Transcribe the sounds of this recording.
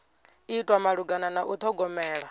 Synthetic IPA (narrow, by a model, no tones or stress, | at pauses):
itʼwamaɺuɡananaʔut̪ʰɔɡɔmɛːɺa